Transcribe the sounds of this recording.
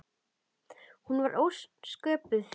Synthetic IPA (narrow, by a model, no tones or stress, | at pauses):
hunvaɾʔowsskœːpʏθ